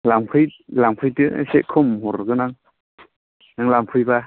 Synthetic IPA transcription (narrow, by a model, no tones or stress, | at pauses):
laŋpʰɯjlaŋpʰɯjtɯ̰seʔkʰɯmhɔɾɡɯnaŋ | naŋlampʰɯjba